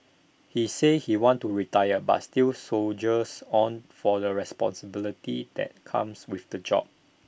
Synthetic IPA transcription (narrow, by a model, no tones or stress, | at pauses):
hisehiwɔ̃ntːuɹitajəba̰tstilsold͡ʒəsɔ̃nfɔdəɹɛspɔ̰̃nsəbilitidɛ̰t̚kʰã̰mswifdəd͡ʒɔ̰p̚